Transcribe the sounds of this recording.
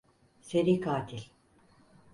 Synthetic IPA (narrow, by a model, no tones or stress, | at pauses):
seɾikʰaːt̪ʰilʲ